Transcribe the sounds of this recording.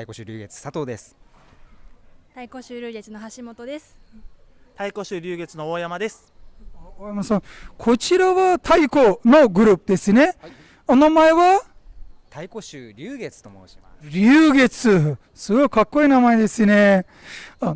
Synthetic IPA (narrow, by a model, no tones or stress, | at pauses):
t̪aikoɕɨɾʲɨːɡe̞t͡sɨ̥sat̪o̞ːd̪esɨ̥ | t̪aikoɕɨːɾʲɨːɡet͡sɨno̞ɦaɕimo̞t̪od̪e̞sɨ̥ | t̪aiko̞ɕɨːɾʲɨːɡe̞t͡sɨno̞ojamad̪e̞sɨ̥ | oːjamasãkʰo̞t͡ɕiɾaβat̪ʰaiko̞no̞ɡɯ̟ɾɯ̟ːpɯd̪e̞sɨne̞ | onamaeβa | t̪aiko̞ɕɨːɾʲɨːɡe̞t͡sɨ̥t̪omoi | ɾʲɨːɡe̞t͡sɨ | sɨɡo̞ikakːo̞iːnamaed̪e̞sɨne̞ | a